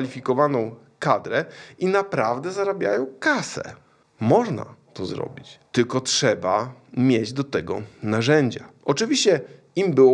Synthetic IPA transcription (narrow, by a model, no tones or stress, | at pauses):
alʲifʲikɔvanɔ̃w̃ | kad̪ɾɛinapɾavd̪ɛzaɾabʲja̰jɔ̃w̃kasɛ̰ | mɔʐna̰t̪ɔzɾɔ̰bʲit͡ɕt̪ɘlkɔtʂɛbamʲjed͡ʑd̪ɔt̪ɛɡɔnaʐɛɲd͡ʑaʔɔt͡ʂɘvʲiɕt͡ɕɛ | imbɘwɔ